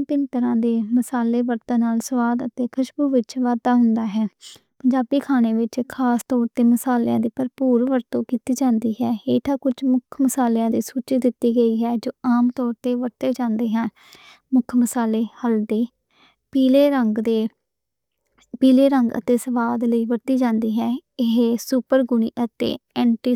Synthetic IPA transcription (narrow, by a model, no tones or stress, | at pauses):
pɪnt̪əɾãːd̪eːməsaːleːʋəɾt̪ə̃ːnaːlsəʋaːd̪ət̪eːkʰəʃbuːʋɪt͡ʃʋaːd̪aːɦʊnd̪aːɦɛː | pəɲd͡ʒaːbiːkʰaːneːʋɪt͡ʃkʰaːst̪ɔːɾt̪eːməsaːljãːd̪iːpəɾpuːɾʋəɾt̪õːkiːt̪iːd͡ʒãːnd̪iːɦɛːeːʈ̪ʰãːkʊt͡ʃmʊkʰməsaːljãːd̪iːsuːt͡ʃid̪ɪt̪ːiːɡəiːɦɛːd͡ʒoːaːmt̪ɔːɾt̪eːʋəɾt̪eːd͡ʒãːnd̪eːɦɛ̃n | mʊkʰməsaːleːhəld̪eː | piːleːɾəŋɡd̪eː | piːleːɾəŋɡə̰t̪eːsəʋaːd̪ləiːʋəɾt̪iːd͡ʒãːnd̪iːɦɛːɪɦeːsupəɾɡʊniːʔət̪ḛːɛ̃ːɳʈiː